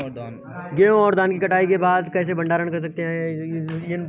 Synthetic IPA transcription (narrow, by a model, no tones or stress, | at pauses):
ɡeːõɔːɾd̪aːnkikɐʈaːikebaːd̪kɛːs̬ebɐ̃ɳɖaːɾəɳkɐɾs̬ɐk̚t̪eɦɛ̃